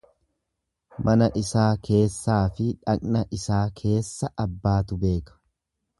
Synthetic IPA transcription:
mʔɐnɐʔɪsaːkʰe̞ːsːaːfɪᶑɐkʼnɐʔɪsaːkʰe̞ːsːɐʔɐbːaːt̪ʊbe̞ːkɐ̥

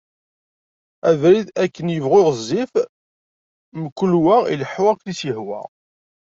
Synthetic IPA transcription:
ævɾiðækːənjəvʁʊʁəzˤːif | məkːʊlwæḭləħʊʁækːnisəhwæ̰

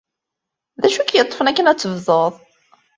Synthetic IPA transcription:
ðæʃukjət̪ˤːfənækːənæt͡sːəvðˤəðˤ

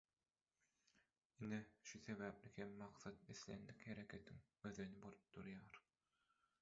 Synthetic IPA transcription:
ineʃuθe̞βæːplihemːɑqθɑt̪̚eθlḛnd̪ikhe̞ɾe̞kʲʰe̞t̪ʰiŋ | øðønibolˠup̚d̪̥uɾjɑːɾ

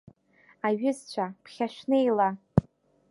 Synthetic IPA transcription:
aɥʏzt͡ɕʷʰapʰχʲaʃᶣnejla

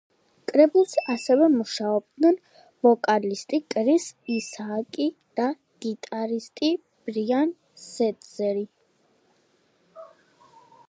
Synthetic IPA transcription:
kʼɾɛbulˠsasɛvɛmuʃaɔb̚d̪nɛn | v̥ɔkʼalist̪ʼikʼɾisisaːkʼid̪̥a | ɡ̥it̪ʼaɾist̪ʼi | b̥ɾian | sɛt̪ʼz̥ɛɾi

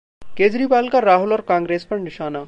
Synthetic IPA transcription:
keːd͡ʒɾiːbaːlkaɾaːɦʊlɔːɾkãːŋɡɾeːspɐɾnɪʃaːna

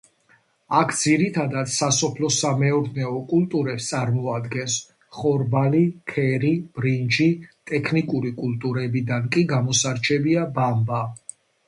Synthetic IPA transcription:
akʰd̪ziɾit̪ʰad̪at̪sasɔpʰlɔsamɛɔɾd̪nɛɔkʼult̪ʼuɾɛpst̪sʼaɾmɔad̪ɡɛns | χɔɾbalikʰɛɾib̥ɾind͡ʒit̪ʼɛkʰnikʼuɾikʼult̪ʼuɾɛbid̪ankʼiɡamɔsaɾt͡ʃʰɛbiabamba

